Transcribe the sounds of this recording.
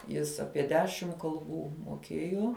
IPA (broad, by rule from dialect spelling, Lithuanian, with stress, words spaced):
ˈjɪs ˈɑːpʲiɛ ˈdʲæːʃʲɪm kɐlˠˈbuː moːˈkʲeːjoː